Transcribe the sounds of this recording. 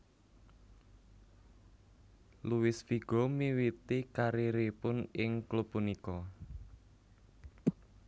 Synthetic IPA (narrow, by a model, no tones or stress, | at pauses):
luwɪsfiɡ̥o̤miwit̪ikaɾeɾepʊnɪŋklupːunikɔ